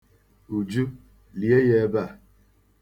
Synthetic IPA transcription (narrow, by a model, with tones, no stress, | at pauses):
u˨d͡ʒu˦ | li˨e˦je˦ba˦˨